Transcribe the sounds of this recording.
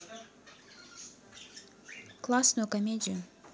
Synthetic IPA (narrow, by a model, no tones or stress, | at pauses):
klˠasnʊjʊkɐmʲedʲɪjʊ